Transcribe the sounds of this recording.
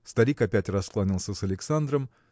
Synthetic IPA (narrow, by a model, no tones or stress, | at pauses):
st̪ɐɾʲikɐpʲætʲrɐsklˠanʲilˠsʲəsɐlʲɪksand̪ɾəm